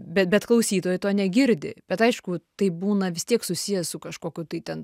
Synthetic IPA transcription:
bʲɛt̪bʲɛt̪klˠɐʊsʲiːt̪oːjɛt̪oːnʲɛɡʲɪɾʲd̪ʲɪ̰bʲɛt̪ɐɪʃkʊt̪ɐɪbuːnɐʋʲɪst̪ʲiɛksʊsʲijɛssʊkɐʃkoːkʲʊt̪ɐɪt̪ʲɛn

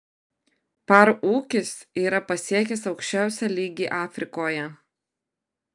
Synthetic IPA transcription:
pɐɾuːkʲɪsiːɾɐpɐsʲiɛk̬ʲɛsɒʊkʃʲt͡ʃʲæˑʊsʲæːlʲiːɡʲiːʔɑːfʲɾʲɪkoːjɛ

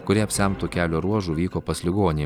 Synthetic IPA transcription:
kʊɾʲiɛɐpʲsʲɪɛmt̪uːkʲæːlʲoːɾuɔʒuːʋʲiːkoːpɐsʲlʲɪɡoːnʲɪ

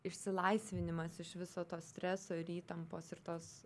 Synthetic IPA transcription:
ɪʃʲsʲɪlˠɐɪsʲʋʲɪnʲɪmɐsɪʃʋʲɪsoːt̪oːsʲt̪ʲɾʲɛsoːɪɾiːt̪ɐmpoːsɪɾt̪oːs

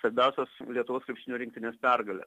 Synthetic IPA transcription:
sɐɾʲbʲɛʊsʲoːslʲiɛt̪ʊʋoːskɾʲɪpʲʃʲtʲɪnʲuːɾʲɪŋkt̪ʲɪnʲeːspʲærɡɐlʲɛ̰s

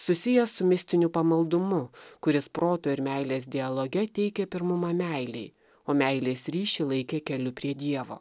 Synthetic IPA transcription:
sʊsʲɪjɛsʊmʲɪsʲt̪ʲɪnʲʊpɐmɐlˠd̪ʊmʊkʊɾʲɪspɾoːt̪oːɪɾmʲæɪlʲeːsd̪ʲɪɐlˠoːɡʲɛt̪ʲɛɪkʲɛpʲɪɾmʊmɐmʲæɪlʲɛɪ | oːmʲæɪlʲeːsɾʲiːʃʲilˠɐɪkʲeːkʲɛlʲʊpʲɾʲiɛd̪ʲiɛʋo̰ː

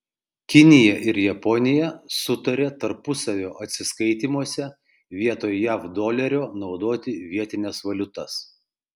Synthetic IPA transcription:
kʲɪnʲɪjɛʔɪɾjɛpɔnʲɪjɛsʊt̪ɐɾʲeːt̪ɐɾpʊsɐʋʲoːʔɐt̪ʲsʲɪskɐɪt̪ʲimuɔsʲɛ | ʋʲiɛt̪oːjjæːfd̪oːlʲɛɾʲoːnɒʊd̪oːt̪ʲɪʋʲiɛt̪ʲɪnʲɛsʋɐlʲʊt̪ɐs

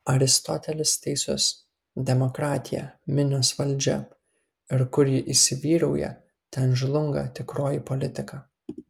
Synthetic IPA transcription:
ɐɾʲɪst̪ɔt̪ʲɛlʲɪst̪ʲɛɪsʲʊs | d̪ʲɛmɔkɾɑːt̪ʲɪjɛ̰mʲɪnʲoːsʋɐlʲˑd͡ʒʲɛ̰ | ɪɾkʊɾʲjɪʔɪsʲɪʋʲiːɾɐʊjɛ̰ | t̪ʲɛnʒlˠʊŋɡɐ̰t̪ʲɪkɾoːjipɔlʲɪt̪ʲɪkɑː

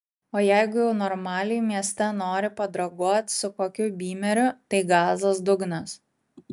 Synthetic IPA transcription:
oːjæɪɡʊjɛʊnɔɾmɑːlʲɪjmʲiɛsʲt̪ʲɛnoːɾʲɪpɐd̪ɾɐɡuɔt̪ʲsʊkoːkʲʊbʲiːmʲɛɾʲʊt̪ɐɪɡɑːzɐsd̪ʊɡnɐs

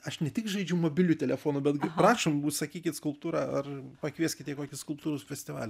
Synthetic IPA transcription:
ɐʃnʲɛt̪ʲɪkʒɐɪd͡ʒʲɛʊmoːbʲɪlʲuːt̪ʲɛlʲɛfoːnʊbʲɛt̪ɡpɾɑːʃoːmbuːt̪sɐkʲiːkʲɪt̪skʊlˠpt̪uːɾɑɐrpɐkʋʲiɛsʲkʲɪt̪ʲiɛkoːkʲɪskʊlˠp̚t̪uːɾosfʲɛsʲt̪ʲɪʋɑ̰ːlʲɛ

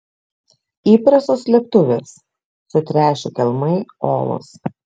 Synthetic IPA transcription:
iːpɾɐsoːslʲɛp̚t̪ʊʋʲeːs | sʊt̪ʲɾʲæːʃʲɛkʲɛlʲˠmɐɪoːlˠʊ̰s

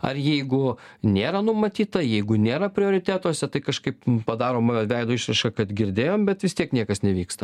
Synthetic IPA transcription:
ɐ̰rjɛɪɡʊnʲeːɾɐnʊmɐt̪ʲiːt̪ɐjɛɪɡʊnʲeːɾɐpʲɾʲɪoːɾʲɪt̪ʲæːt̪oːsʲɛt̪ɐɪkɐʃkɐɪppɐd̪ɑːɾoːmʋʲɛɪd̪oːɪʃɾɐɪʃkɐkɐt̪ɡʲɪɾʲd̪ʲeːjoːmbʲɛt̪ʋʲɪst̪ʲiɛknʲiɛkɐsnʲɛʋʲiːkst̪ɐ

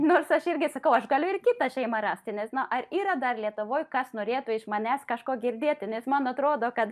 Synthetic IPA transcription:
noːrsɐʃɪrʲɡʲɪsɐkɐʊɐʃɡɐlʲʊɪrkʲɪt̪ɐʃʲɛɪmɐɾɑːsʲt̪ʲɪnʲɛsnʊʔɐriːɾɐd̪ɐrlʲiɛt̪ʊʋoːjkɐsnoːɾʲeːt̪ʊɪʃmɐnʲæːskɐʃkoːɡʲɪrʲd̪ʲeːt̪ʲɪnʲɛsmɐnɐt̪ɾoːd̪oːkɐt̪

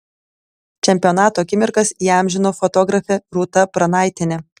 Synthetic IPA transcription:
t͡ʃʲɛmʲpʲɪonɑːt̪oːɐkʲɪmʲɪɾkɐsiːɑˑmʲʒʲɪnoːfɔt̪ɔɡɾɐfʲɛɾut̪ɐpɾɐnɑˑɪt̪ʲɪnʲɛ

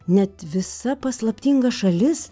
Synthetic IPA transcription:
nʲɛt̪ʋʲɪsɐpɐslˠɐpʲt̪ʲiːŋɡɐʃɐlʲɪs

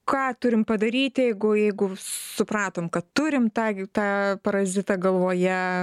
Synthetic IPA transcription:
kɑːt̪ʊɾʲɪmpɐd̪ɐɾʲiːt̪ʲjɛɪɡʊjɛɪɡʊsʊprɑːt̪oːmkɐt̪t̪ʊɾʲɪmt̪ɑːt̪ɑːpɐɾɐʒʲɪt̪ɐɡɐlˠʋoːjɛ

